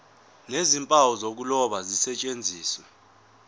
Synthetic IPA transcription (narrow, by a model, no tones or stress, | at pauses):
nezimpʼawɔzok̬ulɔɓazisɛt͡ʃʼend͡zʱiːswɛ